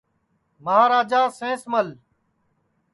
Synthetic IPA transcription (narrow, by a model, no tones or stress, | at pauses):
məɦaːɾaːd͡ʒaːsẽːsməl